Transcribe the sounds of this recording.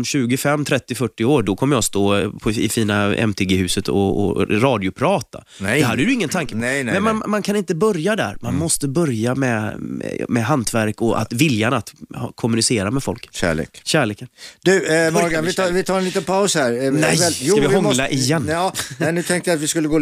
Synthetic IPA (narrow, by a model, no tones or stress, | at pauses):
mɕʉ̟ːɡɪfɛmːt̪ʰɾɛt̪ːɪfœʈːɪoːɾɖɔkʰɔmːəjɑst̪oːpʰɔɪ̰fiːnaɛ̰mt̪ʰeːɡehʉ̟ːsət̪ʰɔ̰ɔ̰ɾɑːd̪ɪʊpʰɾɑːt̪a̰ | ɔhad̪ːəjʉɪŋːənt̪ʰaŋkːəmɛnmanmankʰanɪnt̪əbœɾjad̪æ̰ɾmanmɔst̪əbœɾjamɛ̰ | mɛɦant̪ʰvæɾkɔʔa̰t̪vɪljanat̪hkʰɔmːʉnɪseːɾamɛfɔ̰lkɕæ̰ːɭḛːkɕæːɭeːkənd̪̥ʉɔɡ̪vɪvɪt̪ʰɑːɾɛnliːt̪ənpʰaʊshæɾɛjavɪhɔŋlaʔɪjɛnːɛnʉɛŋkt̪əɪat̪vɪskɵlːəɡoː